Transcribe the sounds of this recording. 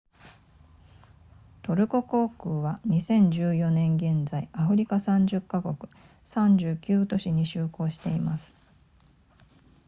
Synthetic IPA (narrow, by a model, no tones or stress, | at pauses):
t̪o̞ɾɯ̟ko̞ko̞ːkɯ̟ːβaɲ̟isẽ̞ɲ̟d͡ʑɨːjo̞nẽ̞ŋɡẽ̞nd͡zaiʔaɸɯ̟ɾʲikasãɲ̟d͡ʑɨkːako̞kɯ̟̥ | sãɲ̟d͡ʑɨːkʲɨːt̪o̞ɕiɲ̟iɕɨːko̞ːɕi̥t̪e̞imasɨ̥